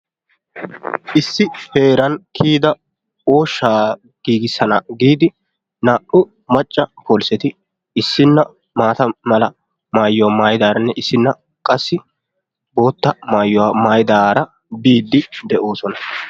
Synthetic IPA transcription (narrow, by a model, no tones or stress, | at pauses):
ʔɪsːɪpe̞ːɾɐnkʰiːd̪ɐ | o̞ːʃːaː | ɡ̥iːɡɪsːɐnɐɡiːd̪ɪ | naːʔʊ | mɐt͡ʃʼːɐpʰoːlsɛt̪ɪ | ɪsːɪnːɐ | maːt̪ɐmɐlɐ | maːjːɔwamaːjɪd̪aːɾɐnːɛʔɪsːɪnːɐ | kʼɐsːɪ | bo̞ːt̪ːɐmaːjːʊwamaːjɪd̪aːɾɐ | biːd̪ːɪd̪ɛʔo̞ːsɔnɐ